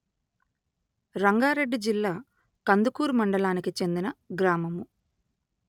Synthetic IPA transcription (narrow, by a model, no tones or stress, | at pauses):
ɾɐŋɡaːɾe̞ɖːid͡ʒilːaː | kɐnd̪ukuːɾmɐɳɖɐɭaːnikit͡ʃe̞nd̪inɐɡɾaːmɐmu